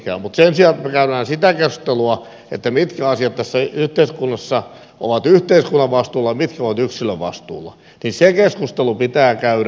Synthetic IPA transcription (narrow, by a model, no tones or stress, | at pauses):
kæ̰ːmut̪sensiɑlet̪mekæyɾæːnsit̪ækesku̥st̪eluɑ | ḛt̪ːæmit̪kæɑsiɑt̪t̪ːæsːæyht̪eiskunːɑsːɑ | ʔo̰ʋɑt̪yht̪eiskunːɑʋʋɑst̪uːlːɑmit̪kæoʋɑt̪yksiløʋʋɑ̰st̪ṵːlːɑ̰ | ninsekeskust̪elupit̪æːkæyɾ